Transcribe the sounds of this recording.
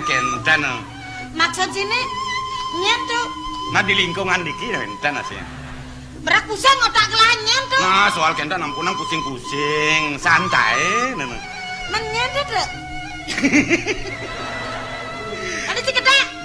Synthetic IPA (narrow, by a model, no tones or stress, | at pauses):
kɛnt̪anə | mak̚sat̪̚sine | ɲant̪onadiliŋkoŋandikinaɛ̰nt̪ana̰sḭa̰ | məɾak̚pusɪŋot̪aʔkəlaɲant̪oasoalkɛnd̪anampunaŋkusɪŋkusɪŋsant̪a̰enəno | mənɲant̪ot̪əʔ | anit̪ikədaʔ